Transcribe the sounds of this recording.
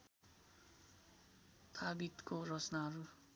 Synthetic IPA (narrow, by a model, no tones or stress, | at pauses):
t̪ʰabit̪korʌt͡snaɦʌɾu